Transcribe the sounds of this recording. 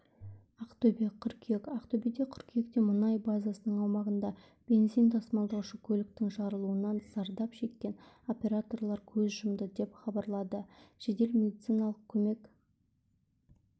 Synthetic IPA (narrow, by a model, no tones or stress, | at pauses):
ɑqt̪obeqʰʏɾkʲʰekɑqt̪obed̪eqʲʰʏɾkʲʰjekt̪e̞mʊnɑjbazasənəɴɑwmɑʁənd̪ɑ | b̥ʲe̞nzijnt̪ʰɑsmɑlˠd̪ɑwʊʃəkʲʰɵlɪk̚t̪ɪŋʒɑɾəlˠuənɑnsɑɾd̪ɑpʃe̞kʲːe̞n | o̞pʲe̞ɾat̪o̞rlˠɑɾkʲʰɵzʒəmd̪əd̪e̞pχɑbɑɾlˠɑd̪əʒ̥e̞d̪e̞lmʲe̞d̪it̪sijnɑlˠəq̚kʲʰɵme̞kʲ